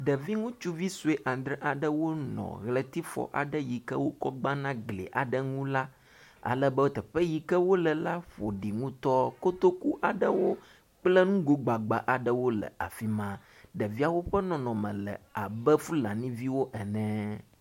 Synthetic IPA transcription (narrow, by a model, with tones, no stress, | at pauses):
ɖə˨vi˦ŋũ˦t͡ʃu˦vi˦su˦e˦ʔã˨d̪ɾə˦ʔa˨ɖə˦wo˦nɔ̰̃˨ɣlə˨t̪i˦fɔ̰˨ʔa̰˨ɖə˦ji˨kə˦wo˦kɔ˦ɡ͡ba˦nã˦ɡlḛ˨ʔa̰˨ɖə˦ŋũ˦la˦ | a̰˨lə˦bə˦wo˦t̪ə˨ɸə˦ji˨kə˦wo˦lə˨la˦ɸo˨ɖi˨ŋũ˦t̪ɔ˦ko˦t̪o˦ku˦ʔa˨ɖə˦wo˦ | k͡plə˦nũ˦ɡo˦ɡ͡ba˨ɡ͡ba˨ʔa˨ɖə˦wo˦lə̰˨a̰˨fi˦mã˦ | ɖə˨vi˦a˨wo˦ɸɛ˦nɔ̃˨nɔ̃˨mɛ̃˨lə̰˨a˨bə˦fu˦lã̰˨nĩ˦vi˦wo˦ʔɛ˨nɛ̃˦